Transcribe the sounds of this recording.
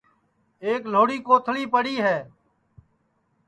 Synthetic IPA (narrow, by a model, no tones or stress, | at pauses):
eːkl̤oːɽiːkoːt̪ʰliːpəɽiːɦɛː